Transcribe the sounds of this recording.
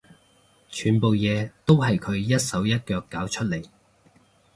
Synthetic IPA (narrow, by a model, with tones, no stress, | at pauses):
t͡ʃʰyː˨˩npo˨wjɛː˨˧t̪o˥wɦɐ˨jkʰɵ˨˧ɥjɐ˥t̚sɐ˨˥wjɐ˥t̚kœː˧kːaː˨˥wt͡ʃʰɵ˥t̚le˨˩j